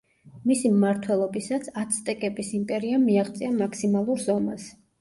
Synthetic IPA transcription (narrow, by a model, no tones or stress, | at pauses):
misimmaɾt̪ʰwɛlˠɔbisat̪sʰat̪sʰt̪ʼɛkʼɛpisimpʼɛɾiamiaχt̪sʼiamakʰsimalˠuɾzɔmas